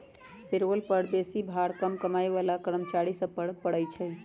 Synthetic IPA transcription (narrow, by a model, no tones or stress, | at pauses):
peɾolpəɾbesibʱaɽkəmkəmajʋalakəɾəmt͡ʃaɾisə̃pəɽpəɽəjt͡ʃʰɛ